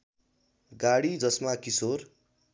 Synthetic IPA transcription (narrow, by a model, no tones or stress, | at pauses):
ɡaɽid͡zʌsmakisor